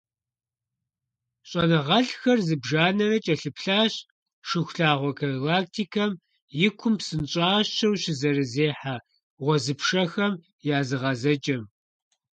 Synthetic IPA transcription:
ɕʼɐnɐʁɐɬxɐrzɨbʒaːnɐrɐt͡ʃʼɐɬɨpɬaːɕ | ʃɪxʷɬaːʁʷɔkʰɐlaːk̚tʰiːkʰɐm | jɪkʷʰʊmpsɨnt͡ʃʼaːɕːɐwɕɪzɐɾɨzeːħaː | ʁʷɔzɨpʂɐxɐm | jaːzɨʁɐzɐt͡ʃʼɐm

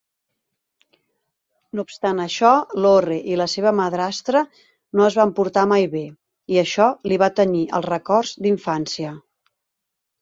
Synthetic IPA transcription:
noupst̪anəʃɔloreʔiləseβ̞əməðɾast̪ɾə | noəzβampuɾt̪amajβe | iəʃɔliβ̞at̪əniʔə̰lˠrəkɔrzd̪iɱfansiə

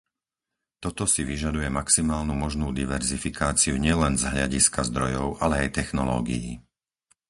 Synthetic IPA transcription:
t̪ɔt̪ɔsiʋiʒad̪ujɛmaksimaːlnumɔʒnuːd̪iʋɛɾzifikaːt͡siuɲɪɛlɛnzɦʎaɟiskazd̪ɾɔjɔʊʔalɛajt̪ɛxnɔlɔ̰ːɡḭjḭ

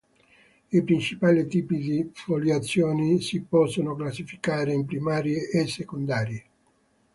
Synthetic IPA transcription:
ipɾint͡ʃipaːlit̪iːpid̪ifoljat̪sːjoːnisipɔsːonoklasːifi̥kaːɾeimpɾimaːɾjeʔːsːekond̪aːɾje

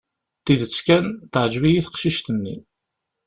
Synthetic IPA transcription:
t̪iðət͡sːkænt̪əʕəʒvijiθə̥qʃiʃt̪ənːḭ

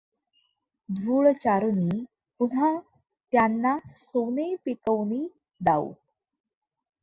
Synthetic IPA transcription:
d̪ʱuːɭt͡ɕaɾuni | puna | t̪janːasonepikəwni | d̪aṵ

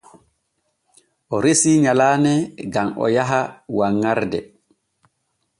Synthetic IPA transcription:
ʔɔɾesiɲalaːnɛɡamɔ̰jaɦawaŋːaɾdɛ̰

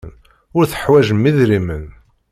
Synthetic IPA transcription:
n | ʊɾθə̥ħwæʒəmːiðɾimən

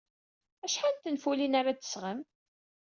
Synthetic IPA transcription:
æʃħant̪ənfulinaɾat̪ə̥sʁəm

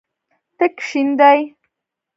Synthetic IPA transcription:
t̪əkʃind̪aj

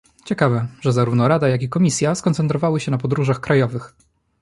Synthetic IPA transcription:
t͡ɕɛkavɛʐɛzaɾuvnɔɾad̪ajakʲikɔmʲisʲjaskɔnt̪sɛnt̪ɾɔvawɘɕɛnapɔd̪ɾuʐaxkɾajɔvɘx

